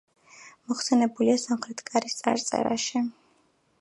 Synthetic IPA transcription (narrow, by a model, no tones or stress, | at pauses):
mɔχsɛnɛbuliasamχɾɛt̪ʰkʼaɾist̪sʼa̰ɾt̪sʼɛ̰ɾa̰ʃi